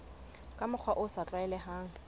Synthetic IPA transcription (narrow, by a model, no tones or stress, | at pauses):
kʼamʊk͡xʰwaʔʊsat͡ɬʼaɛlɛhaːŋ̩